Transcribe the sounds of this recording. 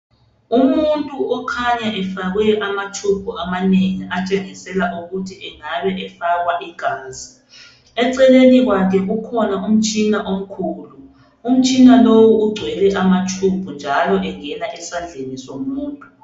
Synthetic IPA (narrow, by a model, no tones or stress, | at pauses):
umuntʼuɔkʰaɲaʔɛfaɣwɛʔamatʰumbʰʱuʔamaneŋiat͡ʃʼeŋisɛlaʔuɣutʰiʔɛŋaβɛʔɛfaɣwaʔiɡ̥ʱaːzi | ɛǀɛleniɣwakʰɛɣukʰɔnaʔum̩t͡ʃʼinaʔom̩kʰuːlu | um̩t͡ʃʼinalowuːɡ͡ǀʱwɛlɛʔamatʰumbʱund͡ʒʱalɔʔɛŋɛlaʔɛsand͡ɮʱenisomuːntʼu̥